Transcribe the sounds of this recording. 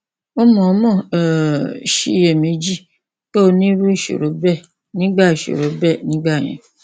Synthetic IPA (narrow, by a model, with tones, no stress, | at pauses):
o˦mɔ̃˨˦mɔ̃˦˨ʃi˧˨je˨mĩ˨˦d͡ʒi˦ | ke˦o˧nĩ˦ɾu˦i˦˨ʃo̰˨ɾo˨˦bɛ˦˨ | nĩ˦ɡ͡ba˦˨i˨ʃo̰˨ɾo˨˦bɛ˦˨nĩ˨˦ɡ͡ba˦˨j̃ɛ̰̃˨˦